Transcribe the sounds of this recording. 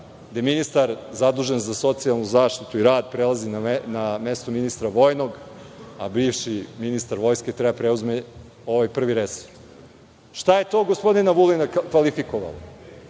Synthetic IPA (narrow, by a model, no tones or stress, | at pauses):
d̪ajeminist̪aɾzad̪uːʒenzaso̞t̪sialˠnuzaːʃt̪it̪uiɾaːd̪̚pɾelazinanamest̪ominist̪ɾaʋo̞jno̞ɡabiːfʃiminist̪aɾʋo̞jsket̪ɾebapɾeuzme | o̞ʋajpr̩ʋiɾeso̥ | ʃt̪aje̞t̪o̞ːɡospo̞d̪inaʋulinakʋalifikoʋa̰la̰